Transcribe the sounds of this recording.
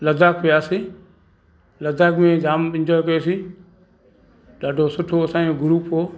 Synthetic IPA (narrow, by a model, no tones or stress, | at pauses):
lɐzaːk̚pɪjaːsi | lɐzaːkmẽd͡ʒaːmɪ̃ɲd͡ʒɔːjkɐjoːsi | ɗaːɖʱosʊʈʰoɐsãːoɡʊɾuːpʰoː